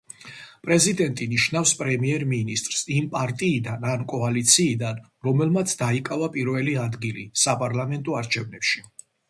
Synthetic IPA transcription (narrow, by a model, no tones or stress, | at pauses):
pʼɾɛzid̪ɛnt̪ʼiniʃnafspʼɾɛmiɛɾminist̪ʼɾsimpʼaɾt̪ʼiːd̪anankʼɔalit̪sʰiːd̪an | ɾɔmɛlˠmat̪sʰd̪aikʼavapʼiɾvɛliad̪ɡilḭsapʼaɾlamɛnt̪ʼɔaɾt͡ʃʰɛvnɛpʃi